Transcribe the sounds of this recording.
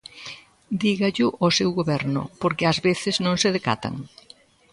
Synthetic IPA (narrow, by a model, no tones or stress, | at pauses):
d̪iɣaʎʊʔosewɣoβɛɾnʊ̰poɾkɪazβeθɪznõŋseðeka̰t̪a̰ŋ